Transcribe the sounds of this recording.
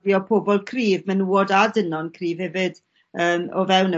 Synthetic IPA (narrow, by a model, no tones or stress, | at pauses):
jɔpʰoːbɔlˠkʰriːvmɛnuːɔdadənɔnkʰriːvhɛvɪd̥ | əːmɔvɛwnə